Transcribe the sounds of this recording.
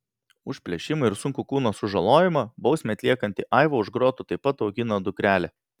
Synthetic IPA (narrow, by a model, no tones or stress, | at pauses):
ʊʃʲpʲlʲɛʃʲɪmʊɪɾsʊŋkʊkuːnɐsʊʒɐlˠoːjɪmɐbɒʊsʲmʲɛːɐt̪lʲiɛkɐnʲt̪ʲɪʔɑɪʋoʊʒɡɾoːt̪ʊt̪ɐɪpːɐt̪ɒʊɡʲɪnɐd̪ʊkɾʲæːlʲɛ